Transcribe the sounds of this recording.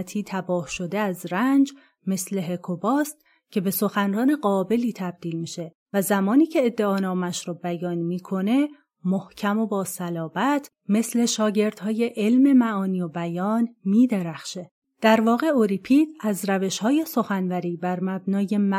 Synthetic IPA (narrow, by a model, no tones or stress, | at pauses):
t̪ʰiːt̪ʰæbɒːhʃo̞d̪eæzɾænd͡ʒ | me̞sle̞ɦekʰobɒːst̪̚ | cʰe̞be̞so̞xænrɒːne̞ɢɒːbe̞liːt̪ʰæb̚d̪̥iːlmiːʃe̞ | væzæmɒːniːcʰe̞ːd̪ːe̞ɒːnɒːmæʃɾɒːbæjɒːnmiːkʰo̞ne̞ | mohcʰæmo̞bɒːsælɒːvæt̪ʰ | me̞sle̞ʃɒːɟe̞ɾd̪̥hɒːje̞ʔelme̞mæɒːniːobæjɒːnmiːd̪e̞ɾæxʃe̞ | d̪̥æɾvɒːɣe̞oɾipʰiːd̪æzɾæve̞ʃhɒːje̞so̞xænvæɾiːbæɾmæbnɒːje̞mæ